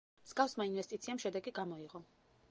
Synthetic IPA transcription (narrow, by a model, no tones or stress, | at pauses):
mz̥ɡafsmainvɛst̪ʼit̪sʰiamʃɛd̪ɛɡiɡamɔiʁɔ